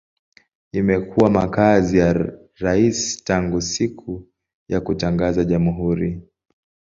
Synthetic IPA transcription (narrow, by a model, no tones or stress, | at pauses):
imɛkuwamakazija | ɾaisi̥taŋɡusikʰu | jakutaŋɡazaʄamuɦuɾi